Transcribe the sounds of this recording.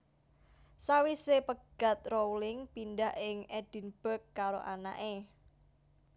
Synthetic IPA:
sawisepəɡ̥a̤t̪̚rowlɪŋpindaɦɪŋɛd̥i̤nb̥ə̤kːaɾo̰ʔana̰ʔe

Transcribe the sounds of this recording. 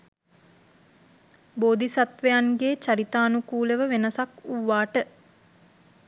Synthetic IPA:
boːd̪isat̪ʋejanɡeːt͡ʃaɾit̪aːnukuːləʋəʋenəsakuʋːaːʈə

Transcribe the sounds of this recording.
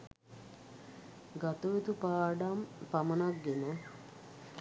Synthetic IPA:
ɡɐt̪uʋet̪upaːɖampɐmɐnaɡːinɐ

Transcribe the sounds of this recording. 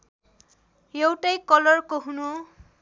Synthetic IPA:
ewtajkɔlɔɹkoɦunu

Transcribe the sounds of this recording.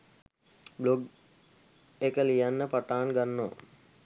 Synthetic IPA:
bloɡ | ekəlijanːəpɐʈaːɳɡɐnːo̰ː

